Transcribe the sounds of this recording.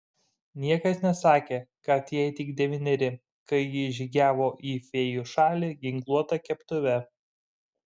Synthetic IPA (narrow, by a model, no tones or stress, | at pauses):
nʲiɛkɐsnʲɛsɑːkʲeːkɐt̪jɛɪt̪ʲɪɡd̪ʲɛʋʲɪnʲɛɾʲɪ | kɐɪjɪʒʲiɡʲæːʋoːʔiːfʲeːjʊʃɑːlʲiɡʲɪŋklˠuɔt̪ɐkʲɛpt̪ʊʋʲɛ